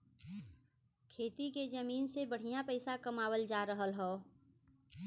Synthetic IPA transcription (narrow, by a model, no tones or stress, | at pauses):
kʰeːt̪iked͡ʒəmiːnsebəɽ̤ijãpəɪsakəmaːwəld͡ʒaːɾəɦəlɦɛː